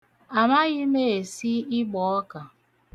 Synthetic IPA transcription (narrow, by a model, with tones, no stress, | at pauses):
a˨ma˦ɣɪ˦me˦˨e˨si˦ɪ˦ɡ͡bɔ˨ɔ˦ka˨